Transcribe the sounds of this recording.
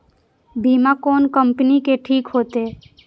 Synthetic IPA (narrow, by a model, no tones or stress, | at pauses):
biːmakoːnkəmpnikeʈʰiːkɦoːt̪eː